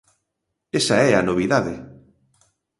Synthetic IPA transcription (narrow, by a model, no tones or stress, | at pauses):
esaɛanoβ̞iðaðe